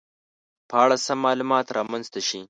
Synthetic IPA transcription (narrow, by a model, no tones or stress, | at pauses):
pəaɽasamːɑlumɑt̪ɾɑmanzt̪aʃi